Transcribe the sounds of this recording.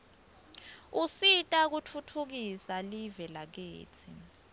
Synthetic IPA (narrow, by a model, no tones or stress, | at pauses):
usitʼak̬utʰutʰuk̬isalivɛlak̬ḛːtʰi